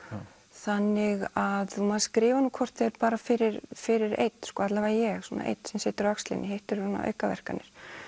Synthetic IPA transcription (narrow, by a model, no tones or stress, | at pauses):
θanːɪɣaðθumaːðaskɾɪːvanukʰɔr̥t̪θeɾpaːɾafɪɾɪɾfɪɾɪɾḛjt̪skɔat̪lavajɛɣswɔːna̰ʔḛjt̪sɛmsɛːt̪ɪɾaakst̪lɪ̰nʔɪɦeht̪ɪɾsuːna̰ʔœ̰ːɥkavɛ̰r̥kanːɪɾ̥